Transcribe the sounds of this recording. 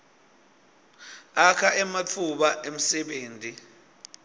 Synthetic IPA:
akʰaʔɛmat͡fʰuɓaʔem̩sɛɓeːntʼi

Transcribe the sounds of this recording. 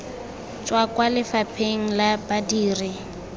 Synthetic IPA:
t͡ʃʼwakwalɪfapʰeŋ̩labadiːrɪ

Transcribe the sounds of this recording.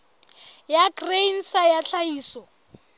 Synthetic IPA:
jaɡrein̩sajaɬaiːsɔ

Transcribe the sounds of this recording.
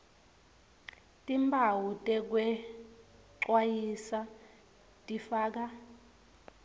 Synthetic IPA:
tʼimbʱawutʼɛk̬wɛ | ǁwajisa | tʼifaːk̬a

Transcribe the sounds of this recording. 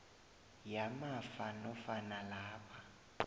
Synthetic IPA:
jamafanɔfanalaːpʰa

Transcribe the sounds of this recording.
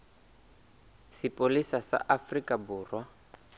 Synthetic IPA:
sipʼolisasa̰ʔafrikʼabuːrwa

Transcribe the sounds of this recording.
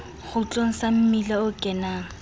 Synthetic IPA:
χʊt͡ɬʼoŋ̩sam̩milaʊkʼɛnaːŋ̩

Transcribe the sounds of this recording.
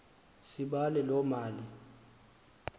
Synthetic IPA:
siɓalɛlɔmaːli

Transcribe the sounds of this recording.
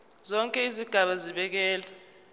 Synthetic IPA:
zɔŋkʼɛiziɡ̥ʱaɓaziɓɛk̬ɛːla

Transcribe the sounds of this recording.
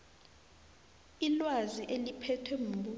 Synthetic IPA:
ilwaziʔelipʰɛtʰwɛm̩ɓu

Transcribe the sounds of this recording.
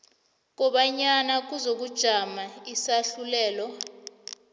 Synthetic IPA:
k̬ʼɔɓaɲanak̬uzok̬ud̥ʒ̥ʱamaisaɬulɛːlɔ

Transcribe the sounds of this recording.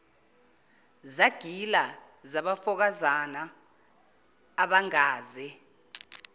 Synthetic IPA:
zaɡ̥ʱila | zaɓafɔk̬azana | ɓaŋaːzɛ

